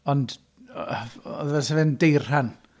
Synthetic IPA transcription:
ɔnd | ɔ̰ðvɛsɛvɛndejr̥han

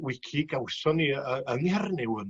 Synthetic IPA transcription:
wɪkʰiɡawsɔniəənɛrnɪwən

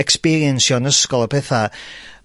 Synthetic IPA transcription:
ɛkspiɾiɛnsjɔnəskɔlˠəpʰɛθa

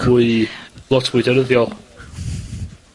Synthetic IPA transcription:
uɨlˠɔtʰwɨdəɾəðjɔlˠ

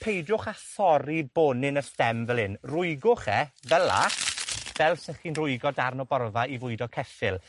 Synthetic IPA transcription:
pʰejdjʊχaθɔɾiboːnɪnəstɛmvɛlɪnrʊɨɡʊχɛvɛla̰ | vɛlˠsɪχinrʊɨɡɔdarnɔbɔrvaivʊɨdɔkʰɛsɪlˠ

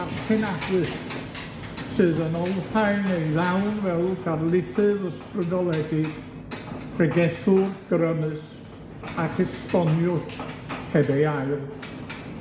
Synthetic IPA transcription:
arpʰɛnadwɨs | sɨðənɔlˠɬajnejðawnvɛlˠɡarlˠɪθɨðəstrədɔlˠɛɡɨd̥ʰ | rɛɡɛθʊrɡ̥ɾəmɨs | akʰɪstɔnjʊthɛdɛjajr

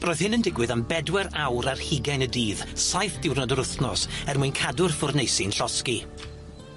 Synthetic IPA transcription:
b̥rɔːɨð̥hɪnəndɪɡwɨðambɛdwɛɾawɾarhɪɡajnədiːðsajθd̥ɪwrnɔdɔɾʊθnɔsɛrmujnkʰadʊrfʊrnejsɪnɬɔski

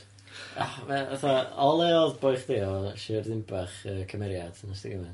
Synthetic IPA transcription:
avɛaθaɔlˠɛɔðboɨχdeɔʃɪrðɪmbaχəːkʰəmɛɾjad̥masdiɡəmɛn

